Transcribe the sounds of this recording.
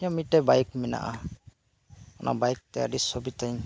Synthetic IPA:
ɔmiʈɛbajk̚mina̰ʔa | ɔnʔa̰bajk̚t̪ɛa̰ɖisɔbit̪aɲ

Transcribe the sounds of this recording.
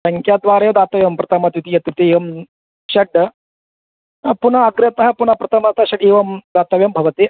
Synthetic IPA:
sɐŋkʰjaːd̪ʋaːɾɐjɐd̪aːt̪ɐʋjɐmpɾɐt̪ʰɐmɐt̪ʋit̪ijɐt̪it̪iːʋɐm | ʃɐɖɐ | punɐːɡɾɐt̪ɐɦɐ̆punɐpɾɐt̪ʰɐmɐt̪ʰɐʃɐɖiːʋɐmd̪aːt̪ɐʋjɐmbʱɐʋɐt̪i

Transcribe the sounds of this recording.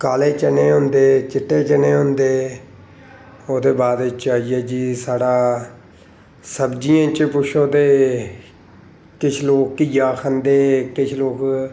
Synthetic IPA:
kaːleːt͡ʃəneːɦʊ̃nd̪eːt͡ʃɪʈːeːt͡ʃəneːɦʊ̃nd̪eː | oːd̪eːbaːd̪ɪt͡ʃaːiɛːd͡ʒiːsaːɽaː | səbd͡ʒijãːt͡ʃpʊʃʰoːd̪eː | kɪt͡ʃʰloːkkɪjaːkʰənd̪eːkɪt͡ʃʰloːk

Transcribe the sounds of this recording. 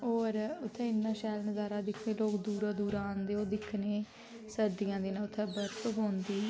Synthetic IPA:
oːɾʊt̪ʰːẽːɪnːãːʃɛːlnəzaːɾaːd̪ɪkʰːneːloːkd̪uːɾãːd̪uːɾaːnd̪eːoːd̪ɪkʰːneː | səɾd̪ijãːd̪iːnãːʊt̪ʰːɛ̃ːbəɾt̪əɦõːnd̪iː

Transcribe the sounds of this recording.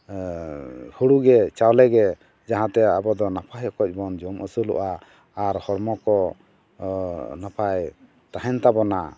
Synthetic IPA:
huɽuɡɛt͡ʃawlɛɡɛ | d͡ʒaɦãt̪ɛabɔd̪ɔnapʰajɔkɔc̚ˀbɔnd͡ʒɔmʔəsəlɔ̰ʔaː | ɾhɔɽmɔkɔ | napʰaj | t̪aɦɛnt̪abɔna

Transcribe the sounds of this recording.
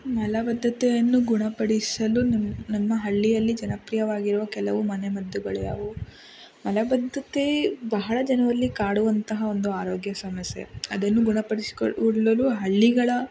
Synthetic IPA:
mɐlɐbɐd̪ʱːɐt̪ɛjɐnːuɡuɳɐpɐɽisɐlunnɐmːɐɦɐɭːijɐlːid͡ʒɐnɐpɾijɐʋaːɡiɾuʋɐkɛlɐʋumɐnemɐd̪ːuɡɐɭɛjɐ̰ʋu | mɐlɐbɐd̪ʱːɐt̪ebɐɦɐɭɐd͡ʒɐnɐʋɐlːikaːɽuʋɐnt̪ɐɦɐo̞nd̪uaːɾoːɡjɐsɐmɐsjḛɐd̪ɐnːuɡuɳɐpɐɽisi̥uɽlɐluɦɐɭːiɡɐɭɐ

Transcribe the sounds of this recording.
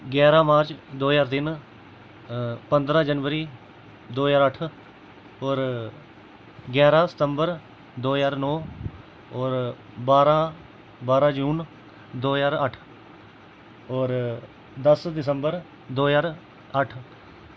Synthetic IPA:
ɡɛːɾãːmaːɾt͡ʃd̪oːjaːɾt̪ɪn | pənd̪ɾãːd͡ʒənʋəɾiː | d̪oːjaːɾəʈʰ | ɔːɾ | ɡɛːɾãːsə̥t̪əmbəɾ | d̪oːjaːɾnɔː | ɔːɾ | baːɾãː | baːɾaːd͡ʒuːn | d̪oːjaːɾəʈʰ | ɔːɾ | d̪əsd̪ɪs̬əmbəɾ | d̪oːjaːɾ | əʈʰ

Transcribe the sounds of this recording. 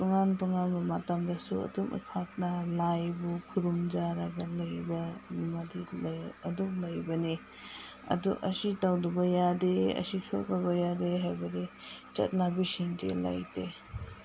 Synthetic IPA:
tuŋantuŋanmɐmatamdɐsuɐ̰dumʔḭpʰak̚nɐlajbukʰuɾumd͡ʒaɾɐɡɐlɐjbɐnimadilɐduŋlɐjbɐni | ɐ̰dṵʔɐsitawdubɐjadeɐ̰sikʰopɐbɐjadeɦajbɐdit͡ʃɐ̰t̚nabisiŋdḭla̰jde

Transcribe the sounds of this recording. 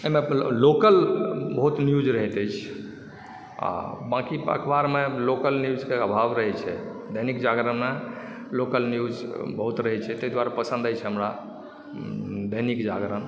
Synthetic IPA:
əɦimelokəlbəɦut̪njud͡ʒɾəɦt̪əjt͡ʃʰ | a̰bãkiə̰kʰbaɾmelokəlnjud͡ʒkeəbʱabɾəɦɛt͡ʃʰɛd̪əɦnikd͡ʒaɡɾəme | lokəlnjud͡ʒbəɦut̪ɾəɦɛt͡ʃʰɛt̪əjd̪waɾapəsə̃nd̪əjt͡ʃʰɛɦəmɾa | d̪ʱəɦnikd͡ʒaɡɾən

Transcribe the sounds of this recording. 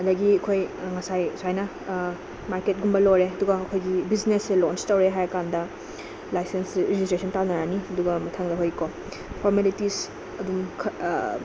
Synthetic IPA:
ɐdɐɡiɐkʰojŋɐsajsajnɐ | maɾket̚ɡumbɐloɾeɐduɡɐːkʰojɡibizneselonstɐwɾeɦajɐkandɐ | lajsensɾed͡ʒistɾesɔntanɐɾaniɐduɡɐmɐtʰaŋdɐɦojko | pʰoɾmelitis | ɐdumkʰ

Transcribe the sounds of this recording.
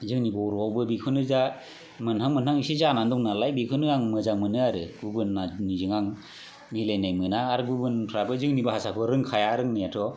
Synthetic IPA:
zɯŋnibɯuɾɔawbɯbikʰɯnɯza | mɯnɦaŋmɯnhaŋisizanandɔŋnalajbikʰɯnɯaŋmɯzamɯnɯaɾɯɡubɯnːanizɯŋaŋ | milajnajmɯnaːɾɯɡubɯnpʰɾabɯzɯŋnibɯɦasakʰɔɾɯŋkʰajaɾɯŋnijatʰɔ

